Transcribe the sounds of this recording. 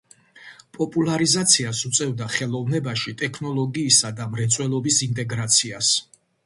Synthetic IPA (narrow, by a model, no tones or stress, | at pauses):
pʼɔpʼulˠaɾizat̪sʰiasut̪sʼɛvd̪aχɛlˠɔvnɛbaʃit̪ʼɛkʰnɔlˠɔɡiːsad̪amɾɛt̪sʼwɛlˠɔbisint̪ʼɛɡɾat̪sʰias